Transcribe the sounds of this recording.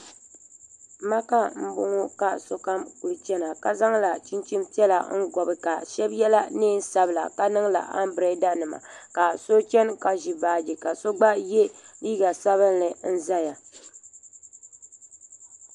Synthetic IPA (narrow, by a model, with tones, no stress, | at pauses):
ma˦ka˦m̩˦bʊ˦ŋo˦ka˦˨so˦ka˦mku˨lɨ˨t͡ʃɛ˦na˨ka˨za˦ŋla˨t͡ʃi˦nt͡ʃi˦mti˦ɛ˦la̰˨ŋ̩˦ɡɔ˨bɨ˨ka˨ʃɛ˦bjɛ˦la˦neː˦n˦sa˦bɨ˨la̰˨ka˦nɨ˦ŋla̰˨ʔa˦mbɾɛ˦da˦nɨ˨ma̰˨ka˨so˦t͡ʃɛ˦nka˨ʒi˨baː˨˦d͡ʒi˨ka˨so˦ɡ͡ba˦je˦liː˦ɡa˨sa˦βɨ˦nːɨ˨n̩˦za˦ja˨